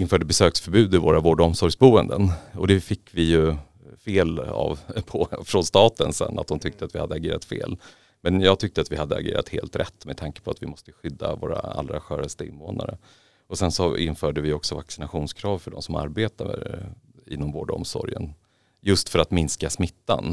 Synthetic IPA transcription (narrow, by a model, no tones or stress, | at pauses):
ɪnfœːɖəbɛsøːksfœɾbʉ̟ːd̪ɪvoːɾavoːɖɔmsɔɾjsbuːənd̪ənɔd̪ɛfɪkːvɪjɵ | feːla̰vpʰɔfɾɔnst̪ɑːt̪ənsɛ̰nːa̰t̪hʊnt̪ʰʏk̚t̪əat̪vɪhad̪ːəaɡeːɾat̪fḛːl | mɛnjɑːɡ̚t̪ʰʏk̚t̪əat̪vɪhad̪ːəa̰ɡeːɾa̰t̪heːlt̪ɾɛ̰t̪ːmɛdt̪ʰaŋkə̥pʰɔat̪vɪmɔst̪əɧʏd̪ːa̰voːɾa̰a̰lːɾaɧœːɾast̪əɪ̰nːvoːna̰ɾə | ɔsɛnsɔɪnːfœːɖəvɪɔksɔvaksɪnaɧuːnskʰɾɑːvfœɖɔ̰msɔma̰ɾbeːt̪aə | ɪ̰nːɔmvoːɖɔ̰msɔ̰ɾjə̰n | jɵst̪fœɾat̪mɪnskasmɪt̪ːa̰n